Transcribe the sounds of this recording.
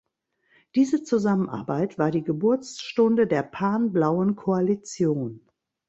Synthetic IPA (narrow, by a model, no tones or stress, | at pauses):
d̥iːzət͡suzamənʔa̰ɐbaɪtv̥aːɐdiːɡəbʊɐt͡sʃtʊndədeːɐpʰaɐnblaʊənkʰoalit͡sjoːn